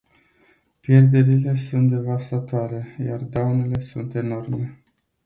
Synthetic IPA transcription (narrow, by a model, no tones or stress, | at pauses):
pje̞rd̪e̞ɾile̞sunt̪d̪e̞vast̪at̪oaɾe̞ja̰rd̪awne̞le̞sunt̪e̞no̞rme̞